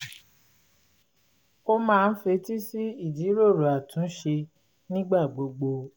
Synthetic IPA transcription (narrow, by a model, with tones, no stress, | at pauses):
o˦mãː˦˧n̩˦fe˧ti˦si˦i˦˨di˨˦ɾo˦˨ɾu˨a˨tũ˨˦ʃe˧ | nĩ˦ɡ͡ba˦˨ɡ͡bo˧ɡ͡bo˧